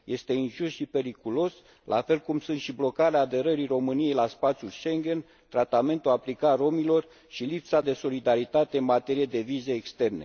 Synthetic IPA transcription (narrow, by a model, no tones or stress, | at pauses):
jʔe̞st̪e̞inʒusʃipe̞ɾikulo̞s | lʔa̰fe̞lkumsunt̪ʃiblo̞kaɾeaːd̪e̞ɾəɾiro̞mɨnije̞jlaspat̪sʲjulʃe̞ŋɡʲe̞n | t̪ɾat̪ame̞nt̪uaplikaro̞milo̞r | ʃilipsad̪e̞so̞lid̪aɾit̪at̪e̞ɨnmat̪e̞ɾije̞d̪e̞vize̞ːkst̪e̞rne̞